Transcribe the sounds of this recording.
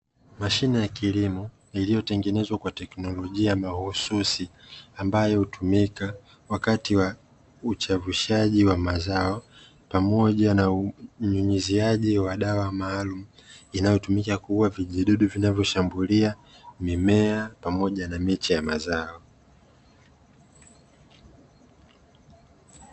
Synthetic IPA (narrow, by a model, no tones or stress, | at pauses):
maʃinɛjakilimɔ | ilijɔtɛŋɡɛnɛzwakwatɛknɔlɔʄiamahususiambajɔhutumika | wakatiwa | ut͡ʃavuʃaʄiwamazaɔ | pamɔʄanauɲuɲiziaʄiwaɗawamaːlum̩inajɔtumikakuwaviʄiɗuɗuvinavjɔʃambulia | mimɛapamɔʄanamɛt͡ʃijamazaɔ